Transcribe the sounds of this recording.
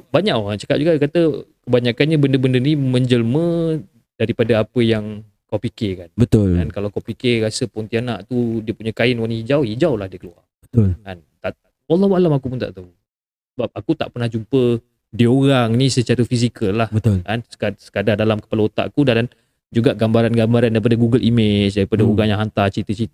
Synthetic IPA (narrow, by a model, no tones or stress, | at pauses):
baɲaʔant͡ʃəkat̪̚d͡ʒuɡaʔkat̪əkəbaɲakanɲabəndəbəndəinimə̃ɲd͡ʒəlmə̃ | daɾipadaapəjaŋ | kawpikɪrkanbət̪ʊlka̰nkalawakawpikɪrɾasəpɔnt̪ianaʔt̪udiəpuɲəkaɪnwanihid͡ʒawhid͡ʒawlahdiəkəlua̰bət̪ʊlkant̪a | walːɔhwaalamakupunt̪a̰ʔt̪au | ssəbap̚akut̪a̰ʔpərnahd͡ʒumpə | diəoɾaŋnĩsət͡ʃaɾəfisikəlːahbət̪ʊlkansə̥ksə̥kadardalamkəpalaut̪a̰ʔakudalan | d͡ʒuɡaʔɡambaɾanɡambaɾandaɾipadəɡuɡəlʔimet͡ʃdaɾipadaoɾaŋjaŋɦant̪at͡ʃɾit̪ət͡ʃit̪